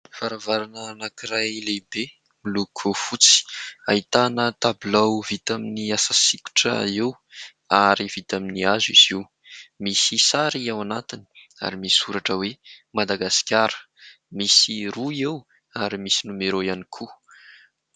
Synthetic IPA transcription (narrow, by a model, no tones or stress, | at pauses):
faɾavaɾanəːnakiɾajlebe | milukʰufut͡si̥ait̪anət̪ablawvit̪aminiasasiku̥ʈ͡ʂə̰ew | aɾiv̥it̪aminiaziz̥iw | misisaɾiawanat̪ini̥ | a̰ɾimissuɾaʈ͡ʂəwemad̪aɡasi̥kʲaɾə̥ | misiruew | aɾimisinumeɾojanikʰu